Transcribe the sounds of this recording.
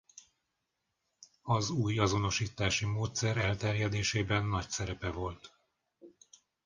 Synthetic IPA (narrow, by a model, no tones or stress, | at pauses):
ɒzuːjɒzo̞no̞ʃiːt̪aːʃimoːt̪sɛɾɛlt̪ɛrjɛd̪eːʃeːbɛnːɒcsɛɾɛpɛvo̞lt̪